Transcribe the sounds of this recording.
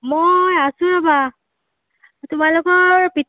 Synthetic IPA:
mojasʊ̃aba | tʊmalʊkɔɹpit

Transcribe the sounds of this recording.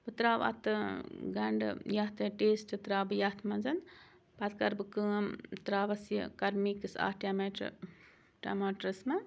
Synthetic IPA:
bɨt̪ɾaːʋɐ̰t̪ɨɡɐɳɖ̰jɐt̪ʰɨʈeːsʈɨt̪ɾaːbɨjɐt̪ʰmɐnzɐn | pɐt̪kɐɾbɨkəːmt̪ɾaːʋɐsjə̰kɐɾmiːkɨsa̰ːʈʲaːmeʈ | ʈa̰maːʈɾɐsmɐ

